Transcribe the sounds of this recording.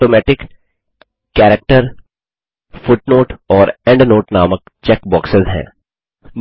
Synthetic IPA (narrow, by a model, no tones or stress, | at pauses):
oːmɛːʈɪk | kːɛːɾək̚ʈəɾ | fʊʈnoːʈɔːɾɛ̃ɳɖnoːʈnaːmək | t͡ʃɛkbɔːksɪzɦɛ̰̃ː | n